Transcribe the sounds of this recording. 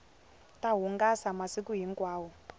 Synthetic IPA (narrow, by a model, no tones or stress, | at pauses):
taɦuŋɡasamasikuɦiŋkʼwaːwɔ